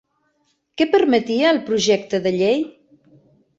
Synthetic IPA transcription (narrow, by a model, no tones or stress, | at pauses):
kɛpəɾmət̪iəːlˠpɾuʒɛk̚t̪əðəʎej